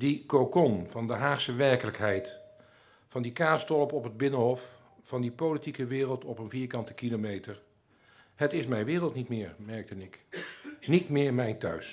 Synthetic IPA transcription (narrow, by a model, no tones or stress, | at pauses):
dikowkɔnvɑndəɦaːχsəʋɛɹkələkɦɛjt | fɑndikaːstɔləpɔpɦəd̚bɪnənɦɔf | fɑndipolitikəʋɪːrəlˠtɔpənviːɹkɑntə̥kilomejtəɹ | hətɪsmɛjnʋɪːrəlˠtnitmɪːɹmɛɹk̚tənɪk | nitmɪːɹmɛjntœ̰ɥs